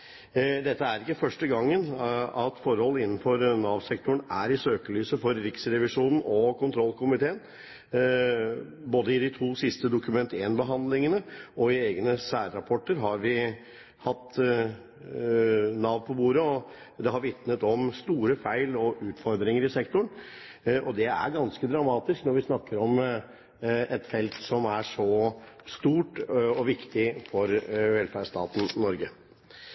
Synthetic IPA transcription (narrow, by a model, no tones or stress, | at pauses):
d̪ɛt̪ːəæɾɪkːəfœʂʈəɡɑŋːənɑt̪fɔɾhɔlːəɪnːn̩fɔɾnɑːʋsɛkt̪ʊɳæɾɪsøːkəlyːsəfɔɾːɪksɾɛʋɪʂuːnn̩ɔkʰʊnt̪ʰɾɔlːkʰʊmɪt̪ʰeːən | boːd̪əɪd̪ɪt̪ʰuːsɪst̪əd̪ʊkʉmɛnt̪eːnbəɦɑnd̪lɪŋənəɔɪeːɡnəsæːɾːɑpʰɔʈːəɾɦɑɾʋɪ | hɑt̪ː | nɑːʋpʰɔbuːɾəɔ | d̪ɛɦɑɾʋɪt̪nət̪ɔmst̪uːɾəfæɪlɔʔʉːt̪fɔɾd̪ɾɪŋəɾɪsɛkt̪ʊɳ | ʔɔd̪ɛæ̰ɾɡɑnskəd̪ɾɑmɑːt̪ɪsknɔɾʋɪsnɑkːəɾɔm | ɛt̪fɛlt̪sɔmæʂɔst̪uːʈɔʋɪkt̪ɪfɔɾʋɛlfæʂt̪ɑ̰ːt̪n̩ːɔɾɡə